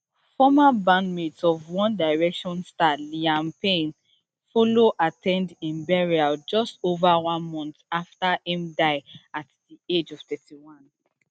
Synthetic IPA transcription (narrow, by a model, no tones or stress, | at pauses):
fɔmabãnmetsɔvwɔ̃ndaɪɹɛkʃɔ̃nstaliãmpẽn | foloʔatʰɛ̃ndĩmbɛɹiad͡ʒɔstovawɔ̃nmɔ̃ntaftaĩmdaɪatdied͡ʒɔv̥tɛtiwɔ̃n